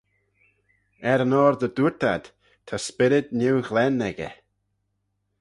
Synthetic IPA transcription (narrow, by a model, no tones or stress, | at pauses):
ɛɾənɔːɾðəduɹt̪ʰa̰d̪̥ | t̪ʰaspɪɾɪd̪niwɣlɛnːɛɡə̰